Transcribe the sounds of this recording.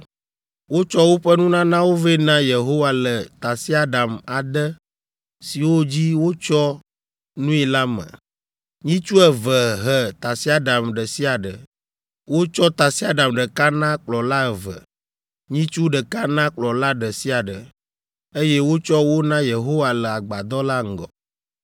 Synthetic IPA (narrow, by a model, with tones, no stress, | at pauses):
wo˦t͡ʃɔ˦wo˦ɸə˦nũ˦nã˦nã˦wo˦ve˦nã˦je˨ɦo˦wa˨lə˨t̪a˨si˦a˦d̪a˨ma˨d̪ə˦ | si˨wo˦d͡ʑi˦wo˦t͡ʃɔ˦ | nũ˦i˨la˦mə̰̃˨ | ɲĩ˦t͡ʃu˦ɛ˨və˨ɦə˨t̪a˨si˦a˦d̪a˨mɖə˨si˦a˨ɖə˨ | wo˦t͡ʃɔ˦t̪a˨si˦a˦ɖa˨mɖə˨ka˦nã˦k͡plɔ˨la˦ə˨və̰˨ | ɲĩ˦t͡ʃu˦ɖə˨ka˦nã˦k͡plɔ˨la˦ɖə˨si˦a˨ɖə˨ | e˦je˦wo˦t͡ʃɔ˦wo˦nã˦je˨ɦo˦wa˨lə˨a˨ɡ͡ba˨d̪ɔ˦la˦ŋ̩˨ɡɔ̰˨